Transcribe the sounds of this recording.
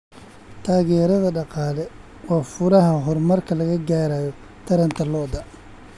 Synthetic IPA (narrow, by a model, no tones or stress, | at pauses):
t̪ʰaːɣɛːɾɐðɐɖɑqɑːlɛ | wɑːfʊɾɐɦɐɦɔrmɐrkʰɐlɐɣɐɡaːɾaːjɔ | t̪ʰɐɾɐnt̪ʰɐlɔːd̪ɐ